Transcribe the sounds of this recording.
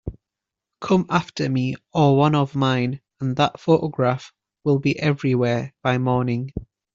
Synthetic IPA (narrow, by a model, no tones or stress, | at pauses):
kʰʊ̃maftəmiəwʌ̃nəvmãɪ̃n | ə̃nðəʔfoʊʔəɡɹaf | wɪlˠbiʔɛvɹiwɛːb̥aɪmɔːnɪ̃ŋ